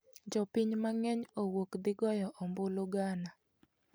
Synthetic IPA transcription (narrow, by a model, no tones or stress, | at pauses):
d͡ʒɔpiɲmaŋɛɲowokd̪ɪɡɔjɔʔomboloɡana